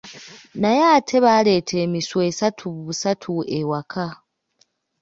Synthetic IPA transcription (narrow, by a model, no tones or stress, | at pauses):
najaːtʰe̞βaːle̞ːtʰe̞ːmiswe̞satʰuββusatʰuewakʰa